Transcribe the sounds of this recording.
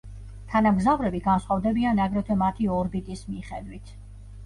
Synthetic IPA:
t̪ʰanamɡzavɾɛbiɡansχwavd̪ɛbianaɡɾɛt̪ʰɛmat̪ʰiɔɾbit̪ʼismiχɛd̪wit̪ʰ

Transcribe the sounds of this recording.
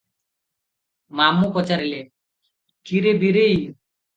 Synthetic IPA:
mamupɔt͡ɕaɾile | kiɾebiɾej

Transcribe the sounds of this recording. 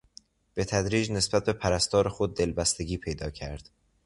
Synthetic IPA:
b̥e̞t̪ʰæd̪ɾiːd͡ʒnesb̥æt̪̚be̞pʰæɾæst̪ɒːɾexo̞d̪̚ːe̞lbæst̪e̞ɡʲiːpʰe̞jd̪ɒːcʰæɾd̪̥

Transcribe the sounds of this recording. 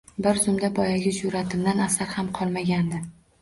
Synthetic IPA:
bɪɾzʊmd̪abɒjaɡʲɪzʊɾat̪ʰɪmd̪anasaɾhamqʰɒlˠmaɡʲand̪ɪ

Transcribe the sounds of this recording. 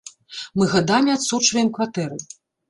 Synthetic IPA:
mɨɣad̪amʲiat̪sut͡ʂvɐjɛmkvat̪ɛɾɨ

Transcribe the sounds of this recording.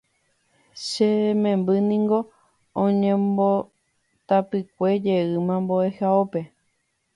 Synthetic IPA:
ʃemẽ̞mbɨnĩŋɡo̞ | õɲẽmbo | t̪apɨk̚ʷe̞d͡ʒe̞ɨmãmboehaope̞

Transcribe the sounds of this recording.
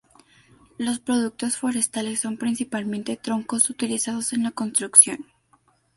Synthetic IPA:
lo̞spɾo̞ðuk̚t̪o̞sfo̞ɾe̞st̪ale̞sːo̞mpɾinsipalmẽ̞nt̪e̞t̪ɾo̞ŋko̞sut̪ilisað̞o̞se̞nlako̞nst̪ɾuksjo̞̰n

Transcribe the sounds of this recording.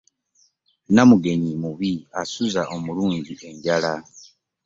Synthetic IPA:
namuɡe̞ɲimuβiasuzaʔomuluːɲɟiʔe̞ɲɟala

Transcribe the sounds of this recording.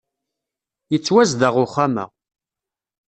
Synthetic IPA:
jət͡sːwæzd̪əʁʊχamæ̰

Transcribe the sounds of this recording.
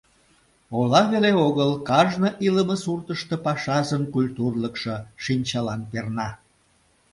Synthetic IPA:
olɑβeleoɣəlkɑʒnəʔiləməsurt̪əʃt̪əpɑʃɑzənkulʲt̪urləkʃəʃinʲt͡ɕɑlɑnpernɑ

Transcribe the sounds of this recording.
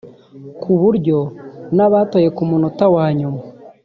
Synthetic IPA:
kʰuβuɾjo̞naβatoje̞kumunotawaːɲuma

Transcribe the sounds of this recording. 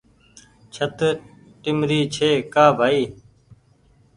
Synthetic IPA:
t͡ʃʰət̪ | ʈɪmɾiːt͡ʃʰeːkaːbʱaːiː

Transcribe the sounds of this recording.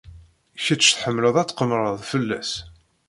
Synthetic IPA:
çət͡sːθħəmːləðˤæt͡sːqəmɾˤəðˤfəlːæs

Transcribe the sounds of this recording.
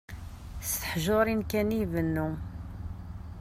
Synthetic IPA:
st̪əħʒoɾˤinkænivənːu

